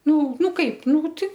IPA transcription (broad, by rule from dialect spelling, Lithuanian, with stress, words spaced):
ˈnʊ ˈnʊ ˈkɐɪp ˈnuː tʲɪ